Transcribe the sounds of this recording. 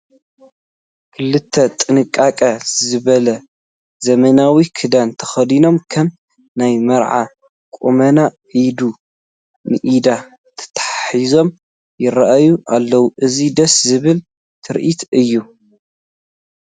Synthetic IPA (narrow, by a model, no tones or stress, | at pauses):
kʰɨlɨt̪ʰːɐt̪ʼɨnɨkʼːakʼɐzɨβɐlɐ | zɐmɐnawikʰɨd̪ant̪ʰɐ̥xɐd̪ino̞mkʰɐm | najmɐɾʕa̰ | kʼumɐnaʔid̪u | nɨʔid̪a | t̪ʰɐ̥t̪ʰḁħaħizo̞m | jɪɾɐʔajuʔalːɐwuʔɨzid̪ɐszɨβɨl | t̪ʰɨɾʔit̪ʰɨjːu